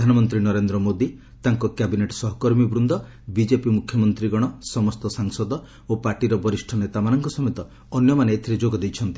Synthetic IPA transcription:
d̪ʱanɔmɔnt̪̬ɾinɔɾend̪ɾɔmod̪i | t̪aŋkɔkabineʈsɔɦɔkɔɾmibɾund̪ɔ | bid͡ʒepimukʰjɔmɔnt̪ɾiɡɔɽ̃ɔsɔmɔst̪ɔsaŋsɔd̪ɔ | opaɾʈiɾɔbɔɾisʈʰɔnet̪amanɔŋkɔsɔmet̪ɔː | njɔmaneet̪ʰiɾed͡ʒoɡɔd̪ejt͡ʃʰɔnt̪i̥

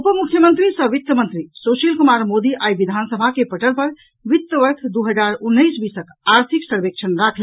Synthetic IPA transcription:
upəmukʰːjəmənt̪ɾisə̃ʋit̪ːəmə̃nt̪ɾisosilkumaɾmod̪iʔajʋid̪ʱansəbʱakepəʈəlpəɾ | ʋit̪ːəʋəʈʰd̪uɦəd͡ʒaɾunːəjsbisək | aɾt̪ʰiksəɾbek̚t͡ʃʰənɾakʰl

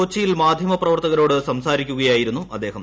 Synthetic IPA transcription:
oːt͡ɕːijilmaːd̪ʱjɐmɐprɐʋɐrt̪ɐɣɐɾo̞ːɽɨsɐmsaːɾikʲːuɣɐjaːjiɾunːuɐd̪ːeːɦɐm

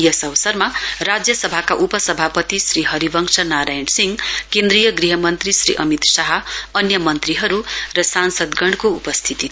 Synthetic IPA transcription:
jʌsʌwsʌrmarad͡zjʌsʌbʱakaʔupʌsʌbʱapʌt̪isriɦʌɾibʌŋsʌnaɾajɳsiŋkend̪rɾijʌɡriɦʌmʌnt̪risɾiʔʌmit̪saɦʌʌnjʌmʌnt̪riɦʌɾurʌsansʌd̪ɡʌɳɖkoupʌst̪ʰit̪i

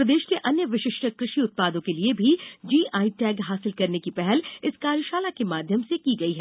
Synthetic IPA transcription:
ɾɐd̪eːʃkeʔɐnjəʋɪʃɪʃʈʰəkɾɪʃiʊt̪̚paːd̪õkeliebʱid͡ʒiːʔaːiʈɛːɡɦaːsɪlkɐɾnekipɛɦɛlɪskaːɾjəʃaːlakemaːd̪ʱjəmsekiɡɐiɦɛː

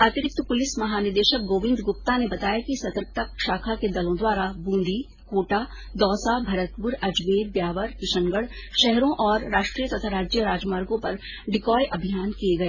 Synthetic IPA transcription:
aːt̪ɪɾɪk̚t̪əpʊlɪsmɐɦaːnɪɾd̪eːʃək̚ɡoːʋɪ̃nd̪ɡʊp̚t̪anebɐt̪aːjakisɐt̪ɾək̚t̪aʃaːkʰaked̪ɐlõd̪waːɾabũːnd̪ʱi | koːʈa | d̪ɔːsabʱɐɾət̪pʊɾɐd͡ʒʋeːɾ̚bjaːʋəɾkɪʃə̃ŋɡəɽʃɛɦɾõʔɔːɾːaːʃʈɾiːət̪ɐt̪ʰaɾaːd͡ʒjəɾaːd͡ʒmaːɾɡõpɐɾ | ɖɪkɔːjʔɐbʱijaːnkieɡɐeː

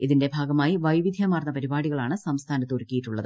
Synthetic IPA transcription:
iðinde̞bʱaːɡɐmaːjiʋɐjʋid̪ʱjɐmaːrnːɐpɐɾibaːɽiɣɐɭaːɳɨsɐmst̪ʰaːnɐt̪ːurkʲːijiʈːuɭːɐ̰ðɨ

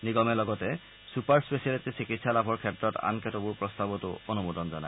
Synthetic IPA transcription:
niɡɔmɛlɔɡɔtɛ | supaɹspesialetisikitsalabʱɔɹkʰɛtɹɔta̰nkɛtobuɹpɹɔstabɔtʊonumudɔnzɔnaj

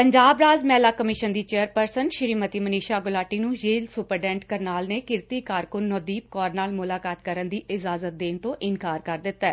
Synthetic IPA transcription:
pəɲd͡ʒaːbɾaːzmɛːlaːkəmɪʃənd̪iːt͡ʃeːəɾpəɾsənʃɪɾiːmət̪iːməniːʃaːɡʊlaːʈiːnũːd͡ʒeːlsʊpəɾɖɛ̃ːɳʈkəɾnaːlneːkɪɾt̪iːkaːɾkʊnːɔːd̪iːp̚kɔːɾnaːlmʊlaːkaːt̪kəɾənd̪iːʔɪzaːzət̪̚d̪eːnt̪õːʔɪnkaːɾkəɾd̪ɪt̪ːɛː

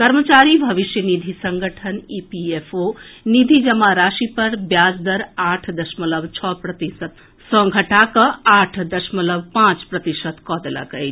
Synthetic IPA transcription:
kɐɾmət͡ʃaːɾibʱɐʋiʃjənid̪ʱisɐ̃ŋɡʱəʈʰəniːpiefoːnid̪ʱid͡ʒɐmaɾaːʃipɐɾbjaːzd̪ɐɾaːʈʰd̪ɐʃmɐlɐbt͡ʃʰɔpɾɐt̪isət̪ | sɔ̃ɡʱɐʈaːkɐaːʈʰd̪ɐʃmɐlɐbpãːt͡ʃpɾɐt̪iʃət̪kɔːd̪lɐ̰kə

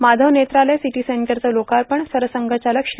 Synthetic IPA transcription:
mad̪ʱəʋnet̪ɾalejsiʈiːseɳʈəɾt͡səlokaɾpəɳsəɾəsəŋɡʱət͡ɕaləkʂ

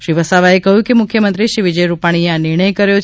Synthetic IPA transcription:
ʃɾiʋəsaʋaekəɦjũkemʊkʰjəmənt̪ɾiʃiʋid͡ʒəjɾupaɽ̃ieanɪɾɳ̃əjkəɾjo

